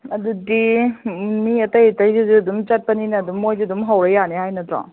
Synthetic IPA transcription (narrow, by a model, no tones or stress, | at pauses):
ɐdudi | miɐtɐjɐtɐjzizuɐdumt͡ʃɐt̚pɐninɐːdumːojzidumɦawɾejːaneɦhajnɐtɾa̰ŋ